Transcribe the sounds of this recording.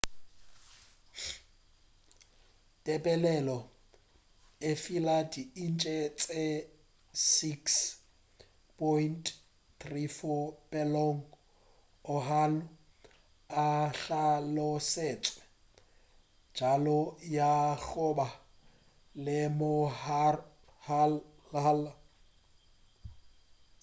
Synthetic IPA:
tʼɛpʼɛlɛlɔ | ɪfiladiin̩t͡ʃʼɛt͡sʼe | siks | pʰʼɔintʰʼ | trifɔpʼɛlɔŋ | oɦalʊ | aɬalɔseːt͡sʼwɛ | d͡ʒ̥alɔjaɣɔba | lɪmʊ | h | ala

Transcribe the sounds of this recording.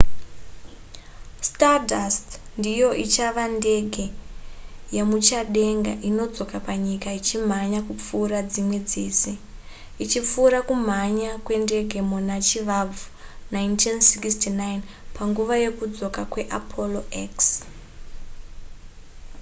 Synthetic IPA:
stadastndijo̞ʔit͡ʃaʋande̞ɡʱe̞ | jemut͡ʃaɗe̞ŋɡa̰ʔino̞d͡zo̞kapaɲikait͡ʃim̤aɲakup͡fuːɾad͡zimwe̞d͡ziːsi | it͡ʃip͡fuːɾakum̤aɲakwe̞nde̞ɡʱe̞munat͡ʃiʋavunajntinsikstinajn | pʰaŋɡuʋaje̞kud͡zo̞kakwe̞ʔapʰo̞loeks

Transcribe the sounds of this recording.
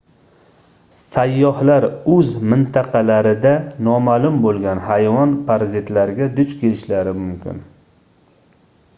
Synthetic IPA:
sajːɒhlaɾɵzmɪnt̪ʰɑqʰɑlaɾɪd̪anɒmalʊmbolˠɡʲanhajvɒnpʰaɾzɪt̪laɾɡʲad̪ʊt͡ʃkʲʰelɪʃlaɾɪmʊmkʲɪ̰n

